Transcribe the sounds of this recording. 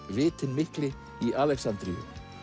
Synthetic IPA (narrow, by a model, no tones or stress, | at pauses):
vɪːt̪ɪnmɪhklɪ | iʔaːlɛksant̪ɾḭʏ̰